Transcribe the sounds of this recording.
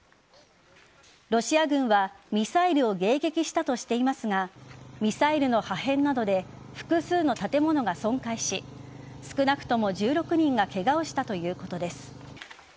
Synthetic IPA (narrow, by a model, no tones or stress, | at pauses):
ɾo̞ɕiaɡɯ̟̃ɰ̃βamʲisaiɾɯ̟o̞ɡe̞ːɡe̞kʲiɕi̥t̪at̪o̞ɕi̥t̪e̞imasɨɡamʲisaiɾɯ̟no̞hahẽ̞nːad̪o̞d̪e̞ | ɸɯ̟̥kɯ̟sɨːno̞t̪at̪e̞mo̞no̞ɡasõ̞ŋkaiɕisɨ̥kɯ̟nakɯ̟̥t̪o̞mo̞ʑɨːɾo̞kɯ̟ɲ̟ĩŋɡake̞ɡaoɕi̥t̪at̪o̞jɯ̟ːko̞t̪o̞d̪e̞sɨ̥